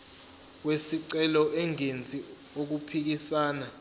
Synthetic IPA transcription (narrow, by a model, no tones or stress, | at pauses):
wesiǀɛlɔʔɛŋent͡sʼi | ok̬upʰik̬isaːna